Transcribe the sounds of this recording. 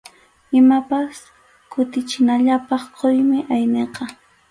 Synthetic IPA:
ɪmapas | kʊt̪ɪt͡ʃɪnaʎapɑχqojmɪʔajneqɑ

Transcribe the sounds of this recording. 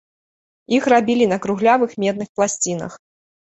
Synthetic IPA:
ixrabʲilʲinɐkɾuɣlʲavɨxmʲɛd̪̚nɨxplˠasʲt͡sʲin̪ɐ̰x

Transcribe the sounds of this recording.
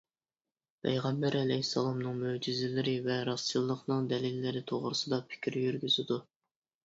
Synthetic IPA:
pʰɛ̰jʁɛmbæɾɛlɛjisːɑlˠɑmnɨŋmød͡ʒizɪlɪɾɪvɛɾɑsːilˠːəqnɨŋd̪ɛlɪlːɪɾɪt̪ʰoʁɾɨsɨd̪ɑpʰɪ̥kʲʰɾjyɾɡʲyzɪd̪u

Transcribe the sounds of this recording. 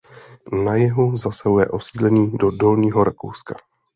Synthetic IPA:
najɛɦuzasaɦujɛ̰ʔo̞siːdlɛɲiːdodo̞lɲiːɦo̞ɾako̰wska

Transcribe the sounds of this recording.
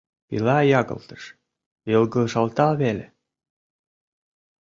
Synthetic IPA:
pḭlæjɑɣɤ̰̆lt̪ɤ̥̆ʃ | jɤ̆lˠɡɤ̆ʃɑlˠt̪ɑβelʲḛ

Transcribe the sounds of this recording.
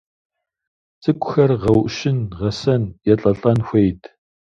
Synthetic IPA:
t͡sʼɨkʷʼʊxɐrʁɐwʔʃɪnʁɐsɐnjɛɬʼɐɬʼɐnxʷejtʰ

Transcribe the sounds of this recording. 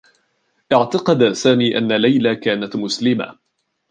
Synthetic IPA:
ʔɪʕt̪ɑqɑd̪saːmiːʔa̰nːalajlakaːnat̪mʊslɪma̰

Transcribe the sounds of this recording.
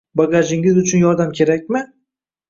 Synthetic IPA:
baɡaʒɪŋʲɪzʊt͡ʃʰʊnjɒɾd̪amkʲʰe̞ɾakʲmɪ

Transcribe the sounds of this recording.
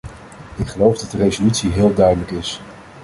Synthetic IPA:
ɪkχəlowvdɑt̚dərezolytsiɦɪːlˠdœɥdələkɪs

